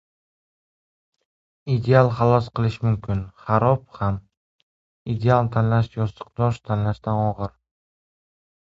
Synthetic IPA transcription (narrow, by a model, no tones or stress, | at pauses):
id̪ealˠχalˠɒsqʰɨlˠɪʃmʊmkʲʰɪnχaɾɒpham | id̪e̞alˠt̪ʰanlaʃjɒst̪ɨ̥q̚d̪ɒʃt̪ʰanlaʃd̪anɒʁɨɾ